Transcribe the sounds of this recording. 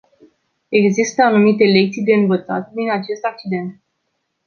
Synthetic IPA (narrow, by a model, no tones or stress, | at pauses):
e̞ɡzist̪əanumit̪e̞le̞k̚t̪sijd̪e̞ɨnvət̪sa̰t̪̚d̪inat͡ʃe̞st̪ak̚t͡ʃid̪e̞nt̪̚